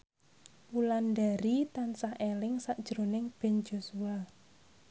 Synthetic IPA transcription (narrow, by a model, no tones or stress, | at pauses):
pulandaɾit̪ansahelɪŋsaʔd̥ʒ̥əɾo̤nɪŋb̥ɛ̤nd͡ʒo̤sua